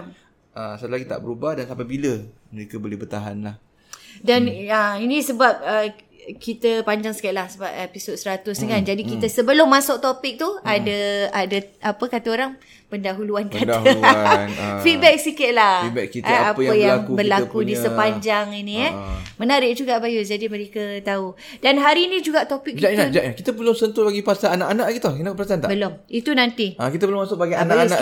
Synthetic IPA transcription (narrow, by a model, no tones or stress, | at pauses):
ʔəsət̪əlaɡit̪a̰ʔbəɾubahdansapabilə | məɾekabolɛhbərt̪aɦanlah | danəinĩsəbap̚ə | kit̪əpaɲd͡ʒaŋskaɪt̪̚lahsəbap̚episod̚səɾat̪ʊsnəŋand͡ʒadikit̪əsəbəlʊmːasʊk̚t̪opɪk̚t̪uadəadaapəkat̪aoɾaŋ | pəndaɦuluankat̪ə | fit̪̚bɛk̚sikɪt̪̚lah̚bɛ̰kkit̪apəjaŋbərlakudisəpaɲd͡ʒaŋiniəmənaɾɪʔ̚d͡ʒuɡaʔbajʊsd͡ʒadiməɾekət̪au | danɦaɾinĩd͡ʒuɡaʔt̪opɪk̚kid͡ʒatnad͡ʒaʔnakit̪əpəlʊŋsənt̪ubaɡipasaːnaʔanaʔaɡit̪okinapəsant̪abəlʊmit̪unant̪iakit̪əpəlʊmasʊk̚baɡiananaʔ